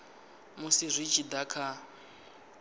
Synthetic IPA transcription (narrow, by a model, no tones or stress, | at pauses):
musirʷit͡ʃʰid̪akʰa